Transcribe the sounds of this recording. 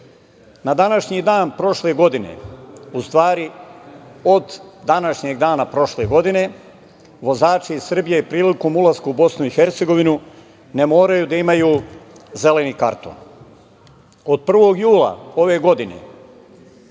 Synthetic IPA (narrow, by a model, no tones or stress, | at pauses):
nad̪anaʃɲid̪aːnpɾo̞ʃle̞ɡo̞d̪inḛust̪ʋaːɾi | o̞d̪ːanaʃɲe̞ɡd̪aːnapɾo̞ʃle̞ɡo̞d̪ine̞ | ʋo̞zaːt͡ʃiːzr̩bijeipɾiːliko̞mulˠazkuubo̞snuixe̞ɾt̪se̞ɡo̞ʋinu | ne̞mo̞ːɾajuːd̪aimajuːze̞le̞nika̰ɾt̪o̰ːn | o̞d̪̚pr̩ʋo̞ɡjuːlˠa̰o̞ʋe̞ɡo̞d̪inḛ